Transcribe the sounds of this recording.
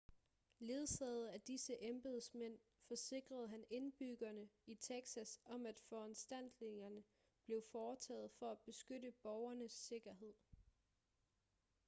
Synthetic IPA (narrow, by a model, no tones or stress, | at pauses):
le̝ːðˠsɛð̞̩ˠæd̥isəʔemb̥e̝ðˠsmen̰ | fɒ̽se̝ɡ̥ʁɐð̞̩ˠɦæne̝nb̥yɡ̥ɐnəit͡sʰeɡ̥sæsɒ̽mæd̥fɒænsd̥æn̰d̥le̝ŋɐnə | b̥le̝ʊfɒːt͡sʰɛ̰ːð̞̩ˠfɒ̽æb̥e̝sɡ̥ødəb̥ɒʊɐnəsːe̝ɡ̥ɐɦe̝ð̞̰ˠ